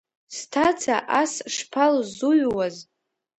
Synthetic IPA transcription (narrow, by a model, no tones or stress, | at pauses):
stʰat͡sʰaʔasʂpʰalzuɥwaz